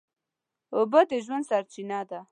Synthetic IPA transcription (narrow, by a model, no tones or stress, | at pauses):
ʊbad̪əʒwand̪saɾt͡ʃinad̪a